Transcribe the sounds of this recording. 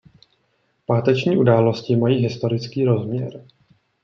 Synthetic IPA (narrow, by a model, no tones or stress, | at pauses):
paːt̪ɛt͡ʃɲiːʔudaːlo̞scɪmajiːɦɪst̪o̞ɾɪt͡skiːɾo̞zmɲɛ̰ɾ